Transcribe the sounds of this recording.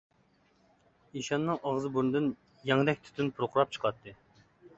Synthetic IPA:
iʃɑnːɨŋʔɑʁzɨbuɾnɨd̪ɨn | jɛŋd̪ɛk̚ʲt̪ʰy̥t̪ʰynpʰuɾqʰʊɾɑp̚t͡ʃʰə̥qʰɑt̪ʰːɨ

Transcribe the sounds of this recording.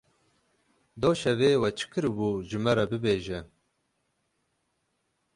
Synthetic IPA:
d̪oːʃɛveːwɛt͡ʃʰɨ̥kɨɾbuːʒɨmɛɾɛbɨbeːʒɛ

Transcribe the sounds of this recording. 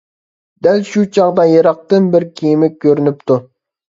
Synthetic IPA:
d̪ælʃut͡ʃʰɑʁd̪ɑjeɾɑq̚t̪ɨnbɪɾkʲʰijmɪk̚ʲkʰʲːøɾynyp̚t̪ʰu

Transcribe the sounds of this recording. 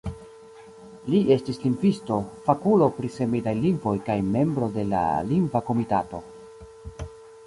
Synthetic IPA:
liʔe̞stisliŋɡvisto̞fakulo̞pɾise̞midajliŋɡvo̞jkajme̞mbɾo̞de̞la̰liŋɡvako̞mitato̞

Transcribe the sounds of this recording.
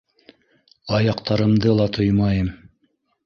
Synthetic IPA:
ɑjɑqt̪ɑɾɤ̆md̪ɤlˠɑt̪ʰojmɑjɤm

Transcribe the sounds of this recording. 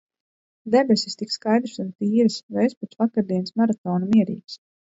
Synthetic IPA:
d̪ɛbesʲist̪ikskajd̪ɾsunt̪iːɾɨsvɛesput̪svakaɾd̪iɛnsmaɾat̪ɔːnumiɛɾḭːks

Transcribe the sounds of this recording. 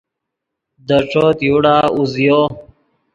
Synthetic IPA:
d̪əʈ͡ʂoːt̪juɽaːuzjoː

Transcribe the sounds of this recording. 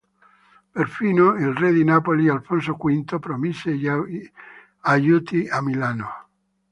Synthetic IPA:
perfiːnoilrɛd̪inapolialfons̬okwint̪opɾomisej | ajut̪iamilaːno

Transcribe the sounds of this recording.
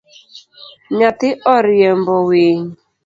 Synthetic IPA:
ɲat̪ɪʔɔɾɪɛmbɔweɲ

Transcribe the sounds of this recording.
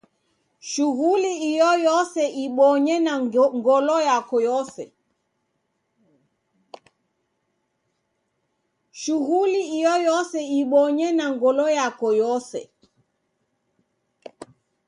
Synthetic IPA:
ʃuɣuliijɔjɔsɛʔiɓɔɲɛnaŋɡɔlɔjakɔjɔsɛ̰ | ʃuɣuliijɔjɔsɛiɓɔɲɛnaŋɡɔlɔjakɔjɔsɛ̰

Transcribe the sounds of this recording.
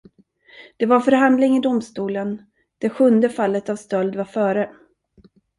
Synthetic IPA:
d̪̥ɛvaɾfœɾɦand̪lɪŋɪd̪ʊmst̪uːlən | d̪̥ɛɧɵnd̪əfalːət̪avst̪œld̪vaɾfœːɾə

